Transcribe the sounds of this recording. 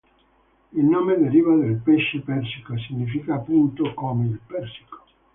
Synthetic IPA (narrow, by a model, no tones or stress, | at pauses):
ilnoːmed̪eɾivad̪elpeʃːepɛrsikos̬iɲːifikapunt̪okɔmelpɛrsi̥ko̥